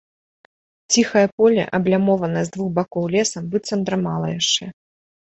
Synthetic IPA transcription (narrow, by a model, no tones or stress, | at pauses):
t͡sʲixɐjɐpɔlʲɐ̰ʔɐblʲamɔvɐnɐzd̪vuxbakɔwlʲɛsɐmbɨt̪sɐnd̪ɾɐmalˠɐ̰jaʂt͡ʂɛ